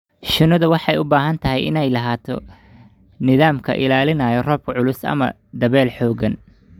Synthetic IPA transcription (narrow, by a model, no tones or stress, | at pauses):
ʃɪnɐðɐwɑħɑjʊbaːɦɐnt̪ʰɐɦɛjɪ̰nɛjlɐɦaːt̪ʰɔ̰ | nɪðaːmkʰɐ̰ʔɪ̰laːlɪnɐːjɔrɔːb̚kʰʕʊlʊsɐ̰mɐ̰ | d̪ɐβɛːlħɔːɣɐn